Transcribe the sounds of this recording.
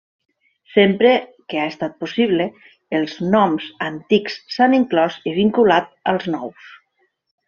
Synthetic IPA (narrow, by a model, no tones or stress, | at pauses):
sempɾekeaest̪at̪̚posiβ̞le | elˠznɔmzant̪iksːaniŋklɔziβ̞iŋkulat̪əlˠznɔws